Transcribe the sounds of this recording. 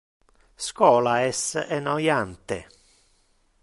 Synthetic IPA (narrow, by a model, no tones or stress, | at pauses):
skɔːlaɛsɛnɔjant̪ḛ